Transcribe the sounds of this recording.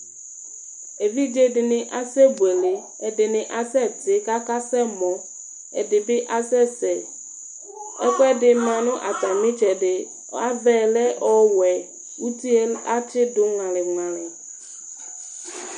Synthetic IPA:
e˨vi˦d͡ʒe˦dɪ˨nɪ̃˦ʔa˦sɛ˦bu˨ɛ˨lɪ˨ | ɛ˨dɪ˨nɪ̃˨ʔa˦sɛ˦˨tɪ˨˦ka˦ka˦sɛ˦mɔ̃˨ | ɛ̰˨dɪ˨bɪ˦ʔa˦sɛ˦sɛ˨ | ɛ˦kɔ˦ɛ˦dɪ˨˦m˦ã˨nʊ̃˦ʔa˨ta˨mɪ̃˦t͡ʃɛ˨dɪ˨˦ | a˦vɛ˨lɛ˦ʔɔ˦wɛ˨ | u˦ti˦a˦t͡ʃɪ˦dʊ˦ŋã˨lɪ˨ŋã˨lɪ˨

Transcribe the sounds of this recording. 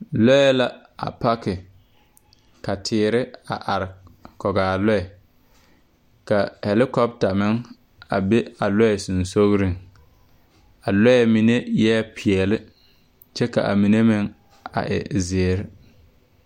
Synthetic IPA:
lɔ˦ɛ˦la˦ | a̰˨pa˦kɪ˨ | ka˨tʰɪː˨ɾɪ˦a˨ʔa˨ɾɪ˨kɔ˨ɡaː˨lɔ˦ɛ˨ | ka˨hɛ˨lɪ˦kɔ˦b̚ta˨mɪ˦ŋ | a̰˨be˦a˨lɔ˦ɛ˨su˨nso˦ɣɾɪ˦ŋ | a˨lɔ˦jɛ˨mi˨ne˦jɛ˦pʰɪ˨ɛ˨lɪ˦ | t͡ʃɛ˦ka̰˨ʔa̰˨mi˨ne˦mɪ˦ŋ | a̰˨ʔɪ̰˨zɪː˨ɾɪ˦

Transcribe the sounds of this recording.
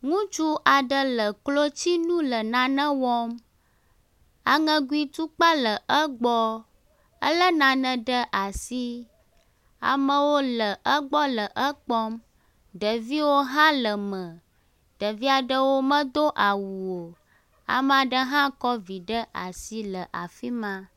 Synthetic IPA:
ŋũ˦t͡ʃu˦ʔa˨ɖə˦˨lə˨klo˦t͡ɕi˦nũ˦lə˨nã˨nə̃˦wɔ˦m | a̰˨ŋə̃˦ɡu˦i˨t̪u˦k͡pa˦lə˨ʔə˦ɡ͡bɔ˦ | ə̰˦lə˦nã˨nə̃˨ɖə˦ʔa˨si˦ | a̰˨mə̃˦wo˦lə˨ʔə˦ɡ͡bɔ˦lə˨ʔə˦k͡pɔ˦m | ɖə˨vi˦wo˦ɦã˦lə˨mə̃˨ | ɖə˨vi˦a˨ɖə˦wo˦mə̃˦d̪o˦ʔa˨wu˨wo˨ | a̰˨m˨a˨ɖə˦ɦã˦kɔ˦vi˨ɖə˦ʔa̰˨si˦lə˨ʔa̰˨fi˦mã˨

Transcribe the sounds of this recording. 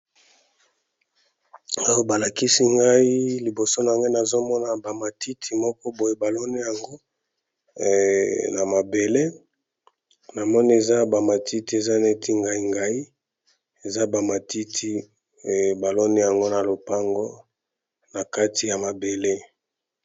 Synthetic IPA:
a˦jo˦ba˨la˨ki˦si˦ŋɡa˦i˦li˨bo˨so˦n˨a˨ŋɡe˦na˨zo˦mɔ˦na˨ba˨ma˨tʰi˦tʰi˨mɔ˦kɔ˦bo˨je˦ba˨lɔ˦ni˦ja˨ŋɡo˦ | na˨ma˨be˨le˦ | na˨mɔ˦ni˦e˨za˦ba˨ma˨tʰi˦ti˨˦e˨za˦ne˦tʰi˦ŋɡa˦i˦ŋɡa˦i˦ | e˨za˦ba˨ma˨ti˦tʰi˦˨ | ba˨lɔ˦ni˦ja˨ŋɡo˦na˨lo˨pa˦ŋɡo˦ | na˨ka˦ti˨ja˨ma˨be˨le˦

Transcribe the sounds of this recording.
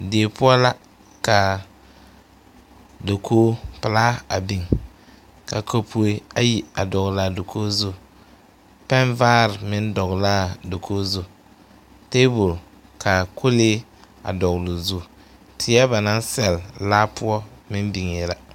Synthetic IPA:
deː˨pʊ˦ɔ˦la˦ | ka˨ | do˨kʰoː˦pɪ˨la˦a˨bi˨ŋ | ka˨kʰo˦pʰu˦e˦a˨ji˨a˨dɔ˨ɣla˦˨do˨kʰoː˦zu˦ | pɛ˦nvaː˦ɾɪ˨mɪ˦n˦dɔ˨ɣla˦˨do˨kʰoː˦zu˦˨ | teː˦bʊ˨l | kʰa˨kʰo˦leː˦ | a̰˨dɔ˨ɣlu˨zu˦ | tʰɪ˨˦a˦ba˨na˦n˦sɛ˨llaː˦pʊ˦ɔ˦mɪ˦n˦bi˨ŋɪ˨la˦

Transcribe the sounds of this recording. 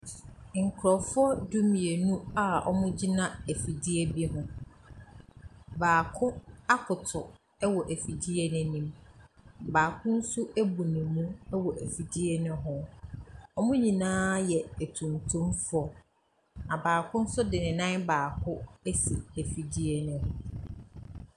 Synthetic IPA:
ŋ̩˨kʰɾɔ˨fʊ˦ɔ˦du˦mĩ˨e˨nũ˦a˦ɔ̰˦mʊ̃˦d͡ʑi˦nã˦æ˨fi˨di˦ɛ˦bi˦ɦʊ̃˦ | baː˨kʰʊ˦a˦kʰʊ˨tʰʊ˨ | ɛ˦wɔ˨ʔæ˨fi˨d͡ʑi˦ɛ˦nɪ̃˦nĩ˨m | baː˨kʰʊ̃˦n̩˦sʊ˦ʔæ˦bu˨nɪ̃˨mũ˦ɛ˦wɔ˨ʔæ˨fi˨d͡ʑi˦ɛ˦nɪ̃˦ɦʊ̃˦ | ɔ˦mʊ̃˦ɲĩ˨nãː˦jɛ˨æ˨tʰũ˨ntʰũ˦mfʊ˦ɔ˨ | na˨baː˨kʰʊ̃˦n̩˦sʊ˦dɪ˨nɪ̃˨nã˦nbaː˨kʰʊ˦æ˦si˨æ˨fi˨di˦e˦nɪ̃˦ɦʊ̃˨˦

